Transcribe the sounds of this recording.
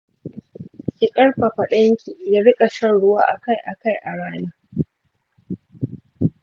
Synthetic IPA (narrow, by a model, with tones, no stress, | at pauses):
kʲɪ˨kʼɐ˦ɽɸɐ˨ɸɐ˨ɗɐ˦ŋkʲʰiː˨jaː˦bi˦kʼɐ˨ʃɐ˦nɽʊ˦waː˦ʔa̰˨ka˦˨jʔa˨ka˦˨jʔa˨ɽaː˦naː˦